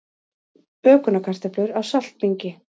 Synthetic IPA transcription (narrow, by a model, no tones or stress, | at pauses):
pœːkʏnakʰar̥t̪aplʏɾawsal̥t̪̚piɲcɪ